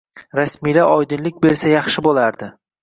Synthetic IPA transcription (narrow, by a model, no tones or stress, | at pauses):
ɾasmijlaʔɒjd̪ɪnlɪk̚ʲbe̞ɾsajɑχʃɪbolˠaɾd̪ɪ